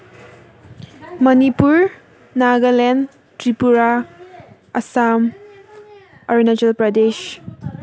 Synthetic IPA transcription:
mɐnipuɾ | naɡalɛn | tɾipuɾa | ɐ̰sam | ɔɾinad͡ʒɐlpɾɐdes

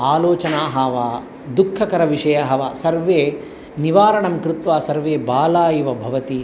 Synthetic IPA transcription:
aːloːt͡ʃɐnaːɦɐːʋaː | d̪ukʰːɐkɐɾɐʋiʂɐjɐɦɐʋasɐɾʋeː | niʋaːɾɐɳɐmkɾɪt̪ʋaːsɐɾʋeːbaːlaːjiʋɐbʱɐʋɐt̪i

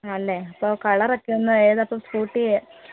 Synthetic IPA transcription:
ɐlːeɐpːokɐɭɐɾɐkːeunːɐeːðɐpːɐmskuːʈːi

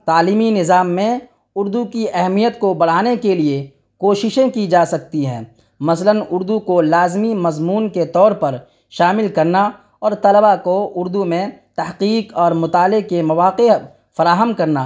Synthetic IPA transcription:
t̪aːliːminɪzaːmːẽ | ʊɾd̪ukiʔɛɦmijət̪kobɐɽ̤aːnekelie | koːʃɪʃẽkid͡ʒaːsɐk̚t̪iɦɛ̰̃ː | mɐslənʊɾd̪ukolaːzmimɐzmuːnket̪ɔːɾpɐɾ | ʃaːmɪlkɐɾna | ɔːɾt̪ɐləbakoʊɾd̪umẽt̪ɐhqiːqɔːɾmʊt̪aːlɪɡ̚kemɐʋaːqe | fɐɾaːɦəmkɐɾnaː

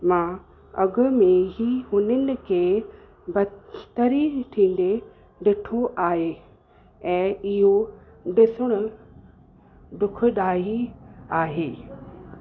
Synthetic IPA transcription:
mã | ɐɡʊ̆mẽɦiɦʊnənɪ̆kʰeː | bɐt̪əɾiʈʰĩːn̆d̪e | ɖɪʈʰoʔaːɦeː | ɛ̃ːɪɦo | ɖɪsʊɽ̃ʊ | ɖʊkʰʊ̆ɗaːɦiaːɦeː

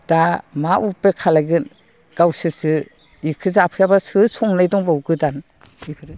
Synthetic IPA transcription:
d̥amaʔupːekʰalajɡɯn | ɡ̥awsɯsɯ | ikʰɯzapʰɯjabasɯsʰɔŋnajdɔŋbawɡɯdan

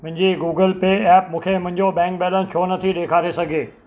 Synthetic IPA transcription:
mʊ̃ɦɪ̃ɲd͡ʑiɡuːɡəlpeːɛːp̚mũːkʰemʊ̃ɦɪ̃ɲd͡ʑoɓɛ̃ːŋk̚ɓɛːlənt͡ɕʰoːnɐt̪ʰiɗeːkʰaːɾesɐɡʱeː

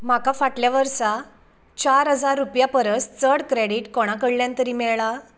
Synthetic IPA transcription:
m̤akafaʈljaʋəɾsa | t͡ɕaɾɦəd͡zaɾːupjapəɾəst͡səɽkɾeɽiʈkɔɽ̃akəɽljãnt̪əɾiːmɛɭɭa

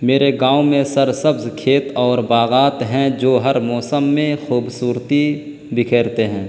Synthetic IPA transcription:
meːɾeɡãːʊmẽsəɾsəbzkʰeːt̪ɔːɾbaːɣaːt̪ɦɛ̃d͡ʒoːɦəɾmɔːsəmːẽxuːbsuːɾt̪i | bɪkʰeːɾt̪eɦɛ̃ː

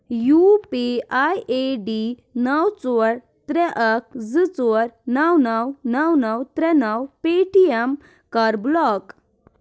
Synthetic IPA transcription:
jupeajeɖi | nəwt͡sɔɾ | t̪ɾɛʔək̚d͡zɨt͡soɾnawnəwnəwnəwt̪ɾɛnəwpeʈiɛm | kaɾblɔk

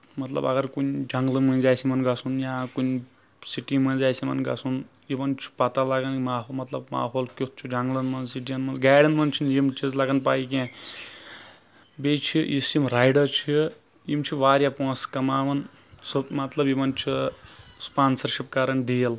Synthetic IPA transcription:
mɐt̪lɐ̰bɐ̰ɡɐɾkunʲd͡ʒɐŋɡlɨmɐ̃nzaːjsimɐnɡɐsʰunjaːkunʲ | siʈimɐnzaːsimɐ̰nɡɐ̰sunjibɐnt͡ʃʰi̥pɐt̪alɐɡɐnmaːɦomɐt̪lɐb̚ma̰ːɦoːlkʲot̪̚t͡ʃʰud͡ʒɐŋɡlɐnmɐnzsiʈijɐnmɐnɡaːɽɐnmɐnt͡ʃʰinjimt͡ʃʰizlɐɡɐnpaːik̬ʲẽː | bejt͡ʃʰiʔisimɾaːjɖɐɾt͡ʃʰi | imt͡ʃʰiʋaːɾʲjapõːskɐmaːʋɐn | sɨbmɐt̪lɐbjibɐnt͡ʃʰispaːnsɐɾʃip̚kaɾɐnɖiːɐl

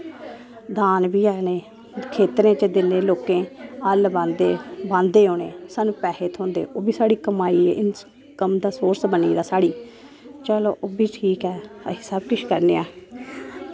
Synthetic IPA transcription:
d̪aːnbiːɛːneː | kʰeːt̪ɾẽːt͡ʃəd̪ɪnẽːloːkẽːəlbãnd̪eːbãːnd̪eːɦoːnḛːsaːnũːpɛːɦeːt̪ʰɦõːnd̪ḛːʔoːbiːsaːɽiːkəmaːiːḛːʔɪn | kəmd̪aːsoːɾsbəniːd̪aːsaːɽiː | t͡ʃəlo̰ːʔoːbiːʈʰiːkɛːəɦɪsaːb̚kɪʃkəɾneːɛː

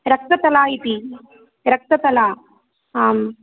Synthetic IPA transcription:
ɾɐk̚t̪ɐt̪ɐlaːit̪i | ɾɐk̚t̪ɐt̪ɐlaː | aːm

